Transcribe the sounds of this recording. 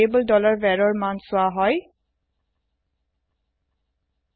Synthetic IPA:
ebəldɔlaɹbɛɹɔɹmansʊaɦɔj

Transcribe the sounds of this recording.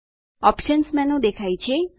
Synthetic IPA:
ɔpʃənsmɛ̃nũd̪ekʰajt͡ʃʰe

